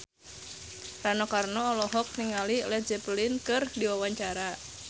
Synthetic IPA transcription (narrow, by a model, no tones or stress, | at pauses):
ranɔkarnɔːlɔɦɔk̚niŋalilɛd͡ʒɛplinkɨrdiwawaɲt͡ʃaɾa